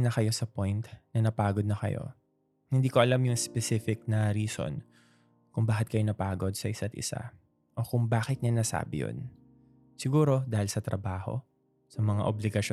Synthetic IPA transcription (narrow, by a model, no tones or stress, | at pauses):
nɐkɐjo̞sɐpojnt̪nɐnɐpaːɡod̪̚nɐxɐ̰jo̰ | hɪnd̪iːko̞ʔɐlamjʊŋspɛsifɪk̚nɐɾiːso̞̰n | kʊŋbaːhɪt̪̚kɐjo̞nɐpaːɡo̞d̪̚sɐʔɪsat̪ʔɪ̰sa̰ | ʔo̞kʊŋbaːxɪt̪̚ɲɐnɐsa̰ːbɪ̰jo̰n | sɪɡuːɾo̞d̪aːhɪlsɐt̪ɾɐbaːho̞̰ | sɐmɐŋa̰ʔoblɪɡɐʃ